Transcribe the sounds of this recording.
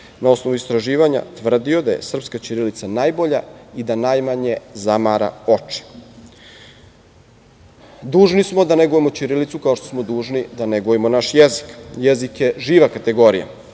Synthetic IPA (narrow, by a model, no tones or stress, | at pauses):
nao̞sno̞ʋuist̪ɾaʒiːʋaɲa̰t̪ʋr̩d̪io̞d̪aje̞̰sr̩pskat͡ʃiɾilit̪sanajbo̞ʎa̰id̪anajmaɲe̞zamaɾa̰o̞t͡ʃi̥ | d̪uːʒnismo̞d̪aneɡojemo̞t͡ɕiɾilit̪sukaoʃt̪o̞smo̞d̪uːʒnid̪aneɡoimo̞naʃjezi̥kjezikjeʒiːʋakat̪e̞ɡo̞ɾija̰